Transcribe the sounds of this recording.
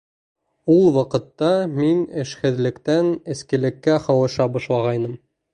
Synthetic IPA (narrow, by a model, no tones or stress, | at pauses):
ulˠwɑqɤ̆t̪ːɑminɘ̆ʃhɘ̆ðlɘ̆kt̪ænɘ̆skɘ̆lɘ̆kːæχɑwɤ̆ʃɑbɑʃlˠɑʁɑjnɤm